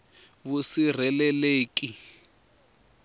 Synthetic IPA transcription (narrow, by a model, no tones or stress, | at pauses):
βusir̤ɛlɛleːki